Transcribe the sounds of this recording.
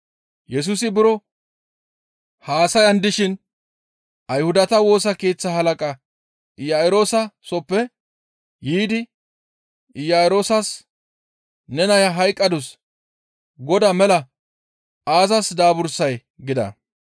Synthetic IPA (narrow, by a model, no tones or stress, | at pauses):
jɛs̬ʊsɪbɪɾɔ | haːsɐjɐnd̪ɪʃɪn | ʔɐjhʊd̪ɐt̪ɐwo̞ːs̬ɐke̞ːt͡sːɐhɐlɐkʼɐ | ɪjaːɪɾo̞ːsɐsɔpːɛ | jiːd̪ɪ | ɪjaːɪɾo̞ːsɐs | nɛnɐjɐɦɐjkʼːɐd̪ʊs | ɡɔd̪ɐmɛlɐ | aːzɐsd̪aːbʊɾsːɐj | ɡɪd̪ɐ̰